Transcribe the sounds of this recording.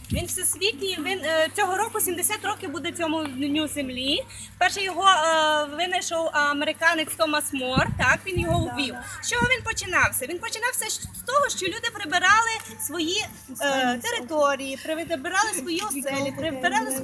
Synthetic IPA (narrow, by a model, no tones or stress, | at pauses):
ʋʲinwsɛsʲʋʲikʲiʋint͡sʲɔɦɔɾɔkʊsʲimd̪esʲat̪ɾɔkɪbud̪ɛt͡sʲɔmʊd̪ʲnʲnʲuzemlʲi | pɛrʃɛjɔɦɔʋɪnɐʃɔwɐmeɾɪkɑnet͡sʲt̪ɔmɐsmɔrt̪ɑkʋʲinjɔɦɔʊʋʲiwʃt͡ʃɔɦɔʋʲinpɔt͡ʃɪnɑwsʲɐʋʲinpɔt͡ʃɪnɑwsʲɐst̪ɔɦɔʃt͡ʃɔlʲud̪ɪpɾɪbɪɾɑlˠɪsʋɔji | t̪eɾɪt̪ɔɾʲijipɾebɪɾɑlˠɪsʋɔjiɔsɛlʲipɾebeɾɑlˠɪ